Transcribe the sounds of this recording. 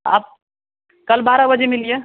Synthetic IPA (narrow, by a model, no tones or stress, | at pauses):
a̰ːp̚ | kəlbaɾabəd͡ʒemilije